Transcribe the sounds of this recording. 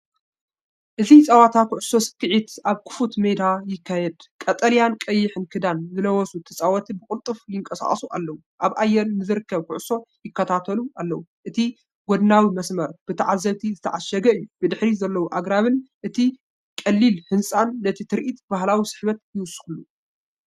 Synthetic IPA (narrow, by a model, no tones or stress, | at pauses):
ʔɨzit͡sʼɐwat̪ʰakʰʊʕʊsːo̞sɨ̥kːɨʕit̪aβkʰɨ̥fut̪med̪ajɪkʰːajɛd̪kʼɐt̪ʼɐlijankʼɐjːɪħɨnkʰɨd̪anzɨlɐwɔsut̪ʰɨt͡sʼawɐt̪ʰibɨkʼɨlt̪ʼɨfjɪŋkʼɐsa̰χʼɐsuʔa̰lːɐwuʔaβʔajːɛlnɨzɨɾɨkːɐβkʰʊʕʊsːo̞jɪkːɐt̪ʰat̪ʰɐluʔalːɐwuʔɨt̪ʰi | ɡod̪nawimɐsmɐɾb̥ɨt̪ʰɐʕazːɐβt̪ʰizɨt̪ʰɐʕaʃɐɡɐɨjːubɨd̪ɨħɾizɐlːɐwuʔaɡɾaβɨnʔɨt̪ʰi | kʼɐlːilhɨnsʼanːɐt̪ʰit̪ʰɨɾʔit̪baɦlawisɨ̥ħβɐt̪̚jɨwʊsʼːɨ̥xɨlːu